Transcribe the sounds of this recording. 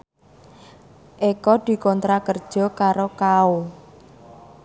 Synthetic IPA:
ʔekɔd̪̥i̤kɔnt̪ɾakərd̥ʒ̥ɔ̤kaɾokao

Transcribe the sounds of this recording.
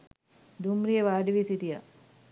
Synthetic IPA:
d̪umɾijeʋaːɖiʋisitija

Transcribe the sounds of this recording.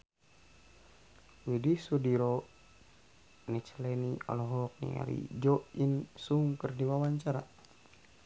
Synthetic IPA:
widisudiɾɔ | nit͡ʃəlɛniɔ̰lɔɦɔk̚nḭŋa̰lḭd͡ʒɔʔinsuŋkərdiwawaɲt͡ʃaɾa

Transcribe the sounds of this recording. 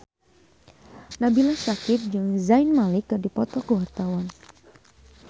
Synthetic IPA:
nabilasakɪt̪̚d͡ʒɨŋzainmalikərdipɔt̪ɔkəwart̪awan

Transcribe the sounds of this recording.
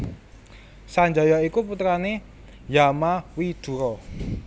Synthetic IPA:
saɲd͡ʒɔjɔikuput̪ɾane | jamawid̪̥ṳɾɔ

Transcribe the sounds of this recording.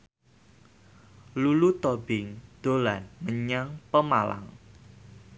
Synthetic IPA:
lulut̪obɪŋd̪̥olanməɲaŋpəmala̰ŋ

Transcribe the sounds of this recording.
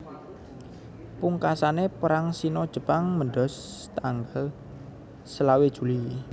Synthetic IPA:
puŋkasanepəɾaŋsinɔd̥ʒ̥ə̤paŋməɳɖɔ̤st̪aŋɡal | səlawed̥ʒ̥ṳli

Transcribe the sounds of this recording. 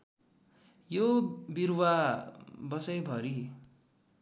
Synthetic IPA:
jobirwa | bʌsʌjbʱʌɾi

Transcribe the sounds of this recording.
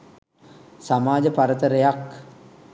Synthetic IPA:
samaːd͡ʒəpaɾət̪əɾejak

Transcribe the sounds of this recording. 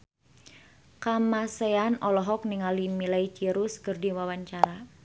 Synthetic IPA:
kamaseanɔlɔɦɔk̚niŋalimilait͡ʃiɾuskɨrdiwawaɲt͡ʃaɾa

